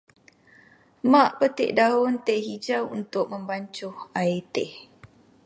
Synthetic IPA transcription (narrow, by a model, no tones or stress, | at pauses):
mãʔpət̪ḛʔdaʊnt̪eʔhid͡ʒawunt̪ʊk̚mə̃mbaɲt͡ʃʊhaet̪ɛh